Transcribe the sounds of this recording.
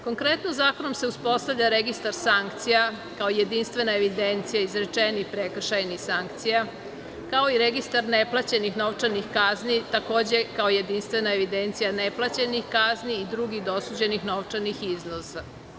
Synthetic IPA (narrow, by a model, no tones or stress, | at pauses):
ko̞ŋkɾet̪nozaːko̞nomseuspo̞st̪aʋlʎaɾeɡist̪aɾsaŋkt̪sija | kaoije̞d̪inst̪ʋe̞naeʋid̪ent̪sijaizɾet͡ʂenixpɾekr̩ʃajnixsaŋkt̪sija | kao̞iɾeɡist̪aɾneplˠat͡ɕenixno̞ʋt͡ʂanixkaznit̪ako̞ːd͡ʑekaoje̞d̪inst̪ʋenaeʋid̪e̞nt̪sijaneplˠat͡ɕenixkazniːd̪ɾuɡid̪oosuːd͡ʑe̞nixno̞ʋt͡ʂanixiznosa